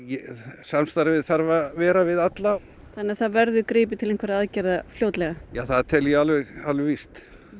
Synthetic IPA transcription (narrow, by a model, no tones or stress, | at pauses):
jɛsamst̪aɾvɪðθaɾvavɛːɾavɪðat̪law | θanːɪaθaðvɛɾðʏkɾɪːp̬ɪt̪ʰɪlẽŋkʰvaɾaaðcɛɾðafljoːwt̪lɛɣajaːθaðt̪ʰɛljɛalvɪɣalvɪvist̪